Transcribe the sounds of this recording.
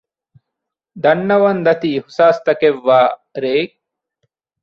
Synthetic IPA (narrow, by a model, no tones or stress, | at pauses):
d̪ɐnːɐʋɐnd̪ɐt̪iihsaːst̪ɐkeʋːaːɾeːk̚